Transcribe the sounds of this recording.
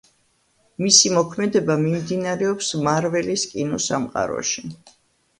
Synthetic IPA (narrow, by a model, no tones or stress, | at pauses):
misimɔkʰmɛd̪ɛbamimd̪inaɾɛɔpsmaɾvɛliskʼinɔsamqʼa̰ɾɔ̰ʃi